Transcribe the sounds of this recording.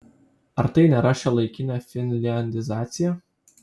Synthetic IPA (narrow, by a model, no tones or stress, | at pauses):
ɐɾt̪ɐɪnʲɛɾɑːʃʲɛlˠɐɪkʲɪnʲɛfʲɪnʲlʲɪɛnʲd̪ʲɪzɑːt̪sʲɪjɛ